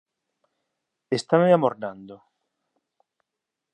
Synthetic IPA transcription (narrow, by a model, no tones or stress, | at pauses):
est̪amamoɾnand̪ʊ